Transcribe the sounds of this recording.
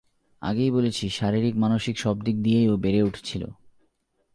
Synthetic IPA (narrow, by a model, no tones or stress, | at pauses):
a̰ɡejbolet͡ɕʰiʃaɾiɾikmanoʃikʃɔb̚d̪ik̚d̪ijejobeɾeuʈʰe̥t͡ɕʰilo̰